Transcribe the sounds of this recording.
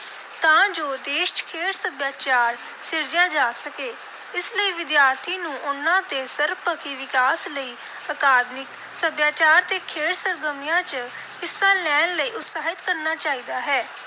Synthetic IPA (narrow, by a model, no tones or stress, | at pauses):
t̪ãːd͡ʒoːd̪eːʃkʰeːɽsəbjaːt͡ʃaːɾ | sɪɾd͡ʒjãːd͡ʒaːsəkeː | ɪsləiːʋɪd̪jaːɾt̪ʰiːnũːʔʊnːãːt̪eːsəɾpəkiːʋɪkaːsləiː | əkaːd̪mɪk | səbjaːt͡ʃaːɾt̪eːkʰeːɽsəɾɡ̪əmɪjãːt͡ʃ | ɪsãːlɛːnləiːʊt̪saːɦɪt̪kəɾnaːt͡ʃaːiːd̪aːɦɛː